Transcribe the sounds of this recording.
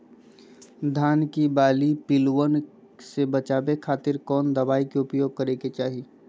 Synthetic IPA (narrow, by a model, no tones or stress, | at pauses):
d̪ʱaːnkibaːlipɪlwən | sebɐt͡ʃaːbekʰaːt̪ɪɾkɔːnd̪ɐbaːikeʊpjoːɡ̚kɐɾeːket͡ʃaːɦi